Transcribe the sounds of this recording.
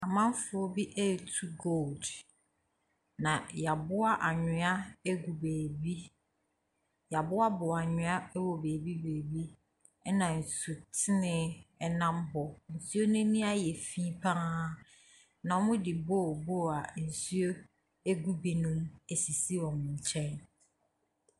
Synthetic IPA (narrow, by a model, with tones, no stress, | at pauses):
a˨mã˦m˦fʊ˦ɔ˦bi˦ʔɛ˦˨tʰu˦ɡo˦˨ld | nã˨ja˨bʊ˦a˦ʔa˨ɲᶣʊ̃˦a˦e˦ɡu˨beː˨bi˦ | ja˨bʊ˦a˦bʊ˨a˨ɲɪ̃˨˦a˦wɔ˨be˨bi˦beː˨bi˦ | ɛ˦nã˨n̩˨su˨tʰɪ˦nɪ̃˦ɛ˦nã˦mɦɔ˨n̩˨su˦o˦nʊ̃˦nĩ˦a˦jɛ˨fi˦pʰã˦ | nã˨ɔ˦mʊ̃˦dɪ˨boː˦˨bo˦˨a˨n̩˨su˦o˦ | e˦ɡu˦bi˨nũ˦me˨si˨si˦wɔ̃˨m˨ɲ̩˨t͡ɕʰɛ̃˦n